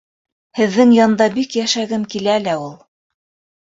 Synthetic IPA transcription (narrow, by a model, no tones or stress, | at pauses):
hɘ̆ðːɘŋjɑnd̪ɑbikjæʃæɡɘmkilælæulˠ